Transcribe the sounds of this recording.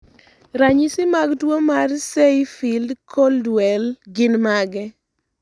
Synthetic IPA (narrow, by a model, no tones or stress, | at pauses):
ɾaɲisɪmaɡdwomarsejfildkʰoldwɛlɡɪnmaɡɛ